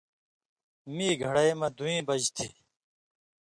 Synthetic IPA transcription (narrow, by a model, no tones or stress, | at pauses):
miːɡʱɐɽajmɐ̃d̪uĩːbʌd͡ʑt̪ʰḭ